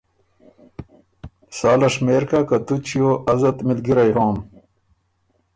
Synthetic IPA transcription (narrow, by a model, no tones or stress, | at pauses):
saːlɐʂmeːɾkakɐt̪ut͡ɕijoɐzɐt̪mid̪ɡiɾɐjɦoːm